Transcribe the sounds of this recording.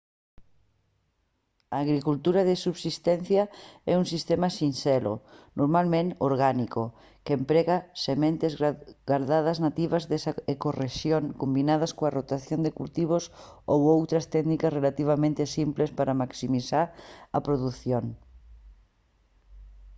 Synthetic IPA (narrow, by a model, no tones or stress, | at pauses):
ɐːɣɾikult̪uɾɐðesuβsist̪ɛn̟θjɐɛuŋsist̪ɛmɐsinsɛlo̰noɾmalmẽnoɾɣaniko | kempɾɛɣɐsemẽnt̪ezɡaɾðaðɐznat̪iβɐzðesaekoreʃjoŋkombinað̞ɐskoarot̪aθjond̪ekult̪iβ̞osowowt̪ɾɐst̪ɛɣnikɐsrelat̪iβ̞amẽnt̪ɪsimplespaɾɐmaksimisaɾɐpɾoðuθjoŋ